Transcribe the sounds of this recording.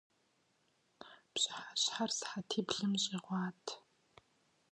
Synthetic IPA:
pɕʼħaɕħarsħatʰiːbɮɨmɕʼiːʁʷɑːtʰ

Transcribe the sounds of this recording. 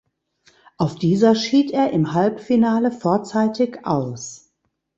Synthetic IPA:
ʔaʊfd̥iːzɐʃiːtʔeːɐʔɪmhalpfinaːləfoːɐt͡saɪtʰɪçʔa̰ʊs

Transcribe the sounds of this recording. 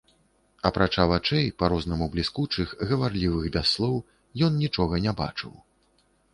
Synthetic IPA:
ɐpɾat͡ʂavat͡ʂɛjpaɾɔznɐmublʲiskut͡ʂɨxɣɐvarlʲivɨɣbʲasːlˠɔw | jɔnnʲit͡ʂɔɣɐnʲaba̰t͡ʂɨ̰w

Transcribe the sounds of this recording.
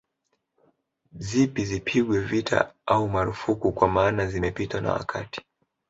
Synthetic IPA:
zipizipʰiɠwɛvitʰa̰aumaɾufukukwamaːnazimɛpitana̰wa̰kʰati̥

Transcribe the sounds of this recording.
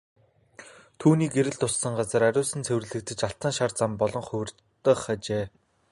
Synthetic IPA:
t̪ʰuːniːkeɾɘ̆ɮt̪ʊsːə̆ŋɢat͡sə̆ɾæɾʲʊːsɘ̆nt͡sʰewrɘ̆ɮɘ̆k̚t̪ɘ̆t͡ɕaɬt̪ə̆ŋʃart͡sampɔɮɞ̆ŋχɵwr | t̪ːə̆χat͡ɕeː

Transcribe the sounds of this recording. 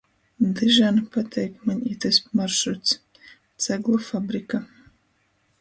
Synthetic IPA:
d̪ɨʒaːnpʰat̪ʰɛjkmanʲit̪ʰɐspmarʃut̪s | t͡saɡlˠɐfabɾika

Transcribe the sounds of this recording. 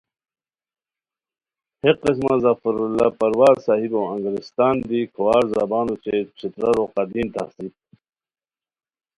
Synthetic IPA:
heqis̬mazɐfɐɾulːapɐɾwaːɾsaːɦiboɐ̃ŋɡɾist̪aːnd̪ikʰowaːɾzabaːnut͡ɕʰet͡ɕʰit̪ɾɐɾoqɑd̪iːnt̪a̰hsip̪̚

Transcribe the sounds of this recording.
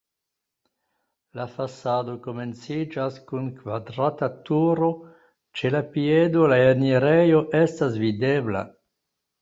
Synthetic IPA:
lafasado̞ko̞me̞nt͡sid͡ʒaskunkvadɾatatuɾo̞ | t͡ʃelapiedo̞laaniɾejoʔestasvidebla̰

